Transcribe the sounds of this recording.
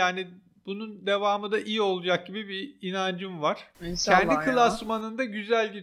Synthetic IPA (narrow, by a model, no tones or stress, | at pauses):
aːni | b̥unund̪e̞vaːmɯd̪aʔijio̞lˠud͡ʒak̚ɟibibiːnand͡ʒɯmvaɾ̥cʰɛnd̪ikʰɯlˠasmanɯnd̪aɟyzælʲɟi